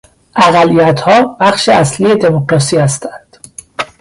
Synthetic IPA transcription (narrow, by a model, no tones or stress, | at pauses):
ʔæɣælːijæt̪ʰhɒːbæxʃeæslije̞d̪e̞mokɾɒːsiːhæst̪ænd̪̥